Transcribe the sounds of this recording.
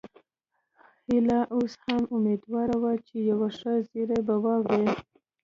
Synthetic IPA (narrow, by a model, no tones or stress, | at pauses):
hɪlaʔoshamʊmed̪wɑɾawat͡ʃejawaʂəziɾebawɑbwe